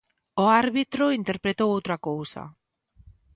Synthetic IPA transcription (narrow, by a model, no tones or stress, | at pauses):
oaɾβit̪ɾoint̪e̞ɾpɾe̞t̪oot̪ɾakowsa̰